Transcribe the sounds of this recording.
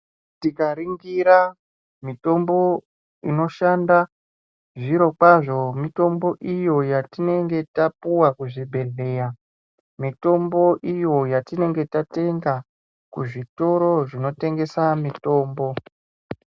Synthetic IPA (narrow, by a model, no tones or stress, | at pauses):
tikaɾiŋɡiɾa | mito̞mbo̞ | ino̞ʃanda | ʐiɾo̞kwaʐo̞mito̞mbo̞ʔijo̞jatine̞ŋɡe̞tapuwakuʐibʱe̞ɮe̞ːja | mito̞mbo̞ʔijo̞jatine̞ŋɡe̞tate̞ŋɡa | kuʐito̞ɾo̞ʐino̞te̞ŋɡe̞samito̞ːmbo̞